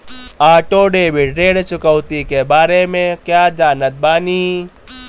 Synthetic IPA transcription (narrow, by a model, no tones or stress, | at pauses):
aːʈoːɖeːbɪʈɖeːɽt͡ʃʊkəwt̪ikebaːɾemẽkjaːd͡ʒaːnət̪̚baːniː